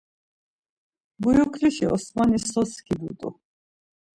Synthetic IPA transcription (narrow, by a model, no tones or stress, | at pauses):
bujukʰliʃiɔ̰smanisɔskʰid̪ṵt̪ʼṵ